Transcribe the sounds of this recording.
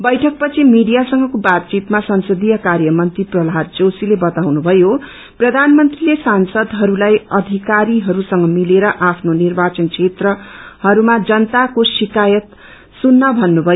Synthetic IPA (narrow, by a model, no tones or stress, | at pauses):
bʌjʈʰʌk̚pʌt͡sʰimiɖijasʌŋɡʌkobat̪̚t͡sit̪masʌnsʌd̪ijʌkarjʌmʌnt̪riprʌlɦat̪̚d͡zosilebʌt̪awnubʱʌjo | prʌd̪ʱanmʌnt̪rilesansʌd̪ɦʌɾulajʌd̪ʱikaɾiɦʌɾusʌŋɡʌmileɾʌʔapʰnonirbat͡sʌnkt͡sʰet̪rʌhʌɾumad͡zʌnt̪akosikajʌt̪ | sunːʌbʱʌnːubʱʌj